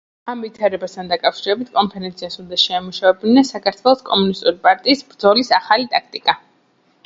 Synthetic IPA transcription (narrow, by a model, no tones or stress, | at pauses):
amvit̪ʰaɾɛbast̪ʰand̪akʼafʃiɾɛbit̪ʰkʼɔmpʰɛɾɛnt̪sʰiasund̪aʃɛamuʃavɛbniasakʰaɾt̪ʰvwɛlˠɔskʼɔmunist̪ʼuɾipʼaɾt̪ʼiːsbɾd̪zɔlisaχalit̪ʼakʰt̪ʼikʼa